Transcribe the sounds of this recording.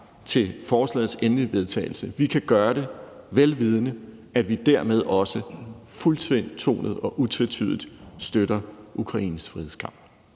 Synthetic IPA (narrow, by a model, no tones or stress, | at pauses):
t͡sʰe̝lfɒːslɛ̰ð̩ˠsenliʋe̝ð̞ˠt͡sʰɛ̰ːɪl̩səʋikʰæɡ̥ɶːɐɾe̝ʋelʋiːð̞ˠnə | ædʋid̥æɐmeð̞ˠɒ̽səfult͡sʰʋen̰dt͡sʰo̝̰ːnð̞̩ˠɒ̽ʔut͡sʰet͡sʰy̰ð̞ˠd̥ˠsd̥øɾɐʔukʰʁɑ̈ḭːnəsfʁiheskʰɑ̈m̰b̥